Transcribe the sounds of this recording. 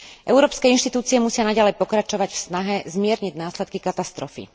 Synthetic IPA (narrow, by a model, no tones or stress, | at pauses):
ʔɛʊɾɔːpskɛinʃt̪it̪uːt͡siɛmusɪanaɟalɛjpɔkɾat͡ʃɔʋaɟfsnaɦɛzmɪɛɾɲiɟnaːslɛt̪̚kikat̪ast̪ɾɔfḭ